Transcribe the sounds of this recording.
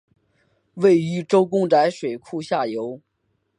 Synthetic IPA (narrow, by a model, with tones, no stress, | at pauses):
we˥˩ɪy˧˥ʈ͡ʂo˥ʊk̬ʊ˥ŋʈ͡ʂa˧˥ɪʂwe˨˩ɪkʰu˥˧ɕja˥˩jo˧˥ʊ